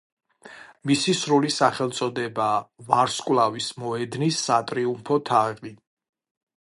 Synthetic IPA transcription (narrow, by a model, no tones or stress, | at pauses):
misisɾulisaχɛlˠt̪sʼɔd̪ɛbaːvaɾskʼwlˠavismɔɛd̪nisːat̪ʼɾiumpʰɔt̪ʰaʁli